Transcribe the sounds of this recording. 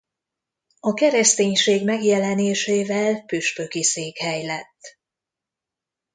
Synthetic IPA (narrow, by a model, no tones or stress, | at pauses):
ɒkɛɾɛst̪eːɲʃeːɡmɛɡjɛlɛneːʃeːvɛlpyʃpø̞kiseːkhɛjlɛt̪ː